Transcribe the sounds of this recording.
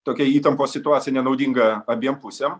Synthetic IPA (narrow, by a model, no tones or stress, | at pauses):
t̪oːkʲɛiːt̪ɐmpoːsʲɪt̪ʊɑːt̪sʲɪjɛnʲɛnɐʊd̪ʲiŋɡɐɐbʲiɛmpʊsʲɛm